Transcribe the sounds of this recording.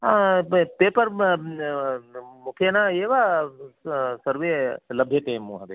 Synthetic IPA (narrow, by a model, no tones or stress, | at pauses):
apeːpəɾ | mʊkʰjenaeːʋa | səɾʋeːlɐbʱjeʈeːmːũɦɐd̪e